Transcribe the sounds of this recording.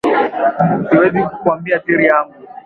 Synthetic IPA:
siwɛzikukwambiatiɾiamu

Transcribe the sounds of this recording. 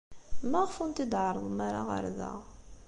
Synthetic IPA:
mæʁfunt̪id̪ʕəɾˤəðˤəmaɾa̰ʁə̰ɾðæ̰ʁ

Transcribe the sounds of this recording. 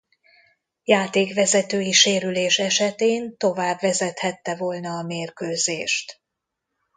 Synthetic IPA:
jaːt̪eːkʋɛzɛt̪øːjiʃeːɾyleːʃɛʃɛt̪eːnt̪o̞vaːbvɛzɛt̪hɛt̪ːɛvolnɒːmeːrkøːzeːʃt̪

